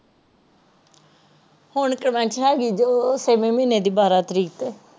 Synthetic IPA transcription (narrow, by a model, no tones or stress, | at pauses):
hʊɳkɾəmɛ̃ːɳʈʃɛːɡiːd͡ʒoːseːmẽːmĩːneːd̪iːbaːɾaːt̪əɾiːkət̪ɛː